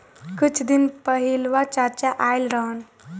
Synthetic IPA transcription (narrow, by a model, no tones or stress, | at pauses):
kut͡ʃʰd̪inpəɦilʋat͡ʃaɾt͡ʃaʔajlɾəɦən